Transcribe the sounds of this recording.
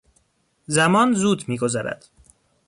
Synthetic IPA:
zæmɒːnzuːd̪miːɡo̞zæɾæ̰d̪̥

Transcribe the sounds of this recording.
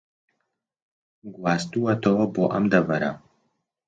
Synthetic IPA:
ɡuaːst̪uɐt̪ɐwɐboːʔɐmd̪ɐvɐɾɐ̰

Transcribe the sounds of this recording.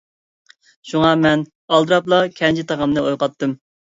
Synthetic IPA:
ʃuŋɑmɛn | ɑlˠd̪ɨɾɑplˠɑkʲʰɛnt͡ʃʰit̪ʰɑʁɑmnɨojqɑt̪ːɨm

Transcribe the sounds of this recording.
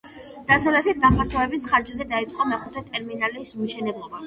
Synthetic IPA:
d̪̥asavlɛt̪ʰit̪̚ɡapʰaɾt̪ʰɔɛbisχaɾd͡ʒazɛd̪ait̪sʼqʼɔmɛχʰɛt̪ʰɛt̪ʼɛɾminalismʃɛnɛblˠɔba

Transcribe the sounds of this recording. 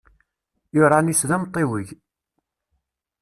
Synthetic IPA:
jʊɾˤanisðæmt̪ˤːewəʝ

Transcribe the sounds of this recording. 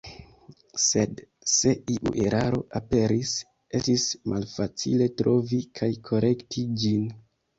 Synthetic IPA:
se̞d | se̞iʔṵʔe̞ɾʔaɾo̞̰ʔape̞ɾis | e̞stismʔalfat͡sile̞tɾo̞vikʰajkʰo̞ɾe̞ktʰid͡ʒin

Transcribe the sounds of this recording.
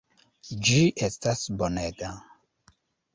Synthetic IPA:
d͡ʒiʔestasboneta

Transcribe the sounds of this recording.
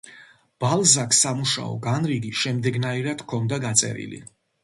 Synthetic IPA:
b̥alˠzakʰsːamuʃa̰ɔ̰ɡanɾiɡiʃɛmd̪ɛɡnaiɾad̪̥kʰɔnd̪aɡat̪sʼɛ̰ɾḭlḭ

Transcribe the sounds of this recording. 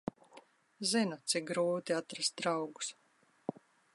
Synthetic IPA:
zinut̪sik̚ɡɾuːt̪iat̪ɾast̪̚d̪ɾawɡu̥s

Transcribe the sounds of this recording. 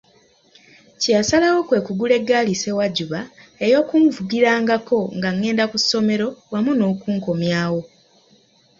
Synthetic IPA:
casalawo̞kwe̞ːkuɡule̞ɡːaːlise̞waɟuβae̞jo̞ːkuɱvuɡiɾaːŋɡako̞ŋɡaŋːe̞ːndakusːo̞me̞ɾo̞wamuno̞ːkuːŋko̞mjaːwo̞

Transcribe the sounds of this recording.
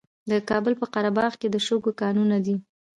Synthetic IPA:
d̪əkɑbəlpəqaɾabɑɣked̪əʃoɡokɑnunad̪i

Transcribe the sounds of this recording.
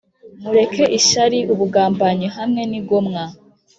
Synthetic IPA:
muɾe̞kʰe̞ʔiʃaɾiuβuɡaːmbaɲeɦamŋe̞nib̚ɡo̞mŋa

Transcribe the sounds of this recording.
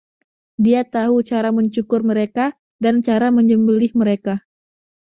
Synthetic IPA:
diat̪aɦut͡ʃaɾaməɲt͡ʃukʊrməɾeka | dant͡ʃaɾaməɲd͡ʒəmbəlɪhməɾeka

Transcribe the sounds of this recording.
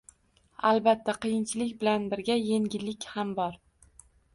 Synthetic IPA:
albat̪ʰːaqɨjɪnt͡ʃʰɪlɪkʲbɪlanbɪɾɡʲaje̞ŋɡʲɪlːɪkʲhambɒɾ

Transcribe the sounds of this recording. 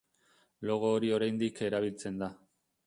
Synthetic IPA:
lo̞ɣ̞o̞ːɾio̞ɾajnd̪ike̞ɾaβ̞ilt͡se̞nd̪a

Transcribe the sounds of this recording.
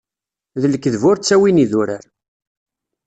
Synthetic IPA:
ðələkːðvʊɾt͡sːæwiniðʊɾə̰ɾ

